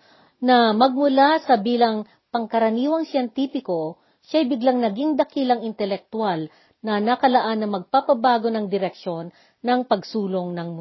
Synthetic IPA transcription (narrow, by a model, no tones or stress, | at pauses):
nɐmɐɡ̚mʊlasɐbiːlɐŋ | pɐŋkɐɾɐniːwɐŋsjɛnt̪iːfɪko̞ | ʃajbɪɡlaŋnɐɡiŋd̪ɐkilɐŋɪnt̪ɛlɛk̚t̪ʊal | nɐnɐkɐlɐʔanːɐmɐɡ̚papɐbaːɡo̞nɐŋd̪ɪɾɛkʃo̞nː | ɐŋpɐɡsuːlo̞ŋnɐŋmʊ